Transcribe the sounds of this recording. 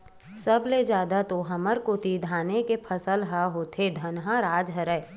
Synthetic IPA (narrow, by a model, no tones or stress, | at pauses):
səbled͡ʒaːd̪at̪oɦɐməɾkot̪id̪ʱaːnekepʰəsəlɦaɦoːt̪ʰed̪ʱənɦãɾaːd͡ʒɦəɾɛː